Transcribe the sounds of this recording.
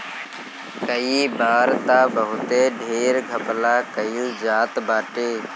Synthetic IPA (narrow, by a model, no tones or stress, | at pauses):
kəiːbaːɾt̪aːbəɦʊt̪eːɖʱeːɾɡʱəplaːkəiũːzaːt̪baːʈeː